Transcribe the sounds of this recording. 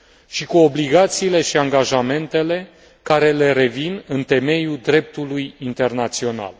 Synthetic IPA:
ʃikuo̞bliɡat̪siːle̞ʃiaŋɡaʒame̞nt̪e̞le̞ | kaɾe̞le̞ɾe̞vinɨnt̪e̞me̞jud̪ɾe̞p̚t̪ulujint̪e̞rnat̪sio̞na̰l

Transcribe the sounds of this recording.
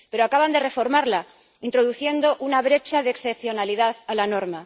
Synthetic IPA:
pe̞ɾoakaβand̪e̞re̞fo̞ɾmaɾla | int̪ɾo̞ðuθje̞nd̪o̞ʔunaβɾe̞t͡ʃaðeːksθepθjo̞naliðaðalano̞ɾma

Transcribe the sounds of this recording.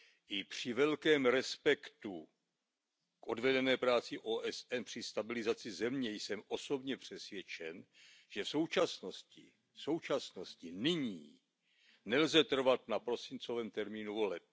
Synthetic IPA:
ʔɪpr̝̥ɪvɛlkɛːmɾɛspɛkt̪u | kʔo̞dvɛdɛnɛːpɾaːt͡sɪʔoːʔɛsɛnpr̝̥ɪst̪abɪlɪzat͡sɪzɛmɲɛjsɛmʔo̞so̞bɲɛpr̝̥ɛsvjɛt͡ʃɛn | ʒ̥ɛfso̞wt͡ʃasno̞scɪ̰ | fso̞wt͡ʃasno̞scɪnɪɲiː | nɛlzɛt̪r̩vat̪napɾo̞sɪnt͡so̞vɛːmt̪ɛɾmiːnuvo̞lɛp̚

